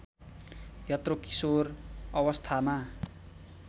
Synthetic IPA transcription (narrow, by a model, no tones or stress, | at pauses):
jʌt̪roki̥sorʌwʌst̪ʰama